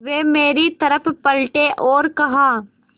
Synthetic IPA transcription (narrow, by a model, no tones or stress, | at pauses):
ʋeːmeːɾit̪ɐɾəpʰpɐlʈeʔɔːɾkɐɦãː